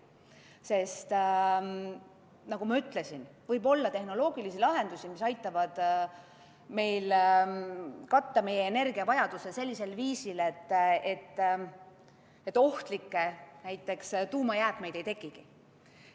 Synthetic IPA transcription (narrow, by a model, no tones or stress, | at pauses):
se̞st̪ | nɑɡ̥umɑyt̪ˑle̞sinvɤjbo̞lːɑt̪e̞hno̞lo̞ːɡ̥ilisilɑɦe̞nd̪usimisɑjt̪ˑːɑvɑd̪̥ | me̞jl | kɑt̪ːɑme̞jːeːne̞rɡ̥iɑvɑjɑd̪usese̞lʲːise̞lviːsile̞t̪ːet̪ːˑ | et̪ːˑo̞ht̪likːenæjt̪ːˑe̞kst̪uːmɑjæːpme̞jd̪̥e̞jt̪e̞ɡiɡ̥i